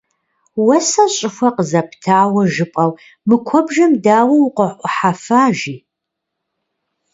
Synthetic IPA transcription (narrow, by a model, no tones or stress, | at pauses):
wɐsɐɕʼɪxʷɐqəzɐpʰtʰaːwɐʒɨpʼɐw | mɨkʷʰɔbʒɐmdaːwɐwʊqʷəʔʷʼɔħafaːʒiː